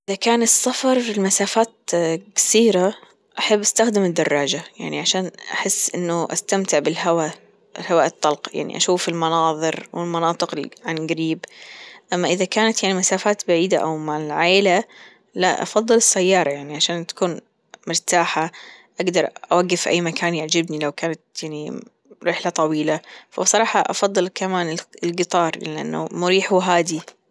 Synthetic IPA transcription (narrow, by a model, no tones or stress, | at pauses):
ʔɪðakaːnɪsːafɑɾˤfilmasaːfaːt̪kḁsiːɾa | ʔaħabːʔast̪axd̪ɪmɪd̪ːɑrˤːɑːd͡ʒaja̰ʕniʕaʃaːnʔaħɪsːʔɪnːʊʔa̰st̪amt̪ɪʕbɪlɦawa | ɪlhawaʔɨt̪ˤːɑlqja̰ʕnḭʔa̰ʃuːfɪlmɑnɑːðˤɨɾwɪlmɑnɑːt̪ˤɨqɪʕanɡaɾiːbʔamːaʔɪðakaːnat̪jaʕnimasaːfaːt̪baʕiːd̪aʔa̰wmaʕɪlʕaːla | la̰ʔɑ̰fɑðˤːɨlɨsːajːɑːɾˤɑjaʕniʕaʃaːnt̪ḁkuːn | mʊɾt̪aːħaʔaɡd̪ɑɾˤʔawaɡːɪfʔa̰jːmakʰaːnjaʕd͡ʒɪbnilawkaːnat̪̚jaʕni | ɾɪħlat̪ˤɑwiːlafabsˤɑɾˤɑːħɑʔɑ̰fɑðˤːɨlkamaːnɪɪlɡɨt̪ˤɑːɾˤɪʔa̰nːa̰mʊɾiːħuɦaːd̪i